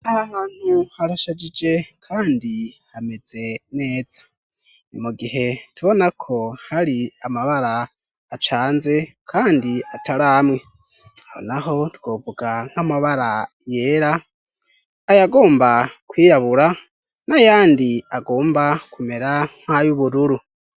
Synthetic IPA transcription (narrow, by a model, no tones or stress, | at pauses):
ahahaːn̥huhaɾaʃad͡ʒid͡ʒe̞kʰaːndihame̞z̥e̞ne̞ːd͡z̥ḁ | muɡiɦe̞tuβo̞nakʰo̞haɾiamaβaɾaː | t͡ʃaːnze̞kʰaːndiatʰaɾamŋe̞ | aho̰naɦo̞tuɡovuɡaŋ̥hamaβaɾa | je̞ːɾa | jaɡo̞ːmbakwiːɾaβuɾa | najaːndiaɡo̞ːmbakume̞ɾaŋ̥hajuβuɾuɾu